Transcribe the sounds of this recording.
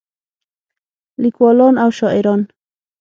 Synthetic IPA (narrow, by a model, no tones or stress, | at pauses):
likʷolonawʃoʔeɾon